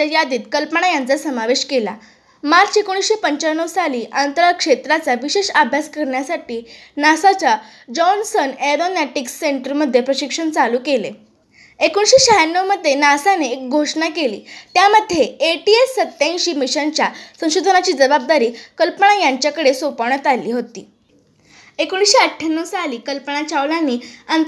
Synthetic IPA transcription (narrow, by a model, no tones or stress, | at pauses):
əjad̪iːt̪kəlpəɳ̃ajant͡sasəmaʋeɕkela̰ | maɾt͡sekoɽ̃isɕepəɲt͡ɕaɳːəʋsaliːʔant̪əɾakʂet̪ɾat͡saʋiɕeʂabʱjaskəɾɳjasaʈiːnasat͡sa | d͡ʑɔnsənɛɾonɛʈiksːeɳʈəɾməd̪ʱːjepɾəɕikʂəɳt͡saluːkele | ekuɳɕiːɕaɦjanːəʋməd̪ʱːjenasaneːk̚ɡʱoʂɳakelḭːt̪jaməd̪ʱːjeeʈiesːət̪ːjãj̃ɕiːmiɕənt͡ɕjasə̃w̃ɕod̪ʱənat͡ɕiːd͡zəbab̚d̪aɾiːkəlpəɳajaɲt͡ɕjakəɽesopaɳət̪alːiːɦot̪ḭː | ekoɽ̃iɕiəʈʰjanːəʋsaliːkəlpəɳ̃at͡ɕaʋlãnːiːant̪